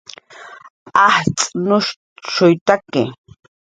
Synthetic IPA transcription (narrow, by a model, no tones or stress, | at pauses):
aht͡sʼnʊʃ | ʃʊjt̪akɪ